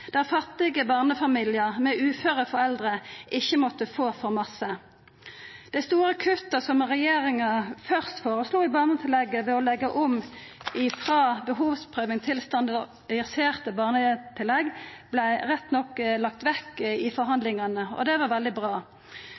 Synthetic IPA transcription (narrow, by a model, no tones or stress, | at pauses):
d̪̥æʁfɑt̪ːɪɡəbɑːʁnəfɑmiːlɪəʁmɛʔʉːføːʁəfɔɾɛld̪ʁəʔɪçːəmɔt̪ːəfoːfɔʁmɑsə | d̪̥æɪst̪uːɾəkʰʉt̪ːɑsɔmʁɛjeːʁɪŋɑfœʁst̪foːʁəsluːɪbɑːʁnət̪ʰɪlɛɡːəʋɛɔlɛɡːəʔɔmɪfʁɑːbəɦuːʋspʰʁøːʋɪŋt̪ʰɪlst̪ɑnd̪ | ɛəseːʁt̪əbɑːʁnət̪ʰɪlːɛɡb̥læɪʁɛt̪ːnɔkːlɑk̚t̪ʋɛkːɪfɔɾɦɑnd̪lɪŋɑnəɔ̰d̪ɛʋɑʁʋɛld̪ɪbʁɑː